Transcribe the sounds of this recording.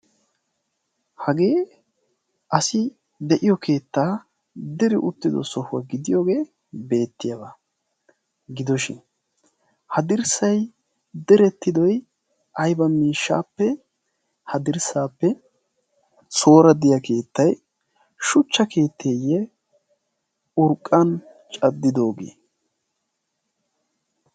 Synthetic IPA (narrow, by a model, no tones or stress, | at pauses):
hɐɡe̞ː | ʔɐsɪ | d̪ɛʔɪjɔkʰe̞ːt̪ːaː | d̪ɛɾɪʔʊt̪ːɪd̪ɔ̰sɔhʊwa̰ɡɪd̪ɪjoːɡe̞ː | be̞ːt̪ːɪjabaː | ɡɪd̪ɔʃɪ̰n | hɐd̪ɪɾsɐj | d̪ɛɾɛt̪ːɪd̪ɔj | ʔɐjbɐmiːʃːa̰ːpːɛ | hɐd̪ɪɾsaːpːɛ | so̞ːɾɐd̪ɪjɐkʰe̞ːt̪ːɐj | ʃʊt͡ʃːɐkʰe̞ːt̪ʰːeːjːɛ | ʊɾkʼːɐn | t͡ʃʼɐd̪ːɪd̪o̞ːɡḛː